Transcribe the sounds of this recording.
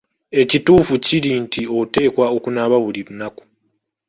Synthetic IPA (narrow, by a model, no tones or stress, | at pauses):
e̞cituːfuciɾiːntʰio̞te̞ːkwaokunaβaβuliɾunaku̥